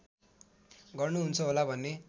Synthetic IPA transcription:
ɡʌrnuɦunt͡sʰʌɦolabʱʌnːe

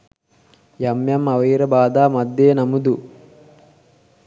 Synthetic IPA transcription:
jɐmjɐmɐʋɐjɾɐbaːd̪aːmɐd̪jeːnɐmud̪u

